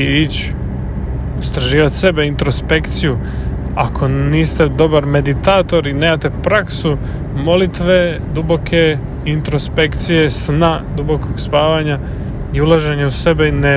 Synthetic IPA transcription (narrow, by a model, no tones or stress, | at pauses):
it͡ɕ | ust̪ɾaʒiːʋat̪se̞beint̪ɾo̞spe̞kt̪siju | akʰo̞niːst̪e̞d̪o̞baɾme̞d̪it̪aːt̪o̞ɾineːmat̪e̞pɾaksu | mo̞lit̪ʋe̞d̪ubo̞kʰe̞ | int̪ɾo̞spe̞kt̪sije̞snad̪ubo̞ko̞ɡspaːʋaɲa | iulaʒeɲeuse̞beine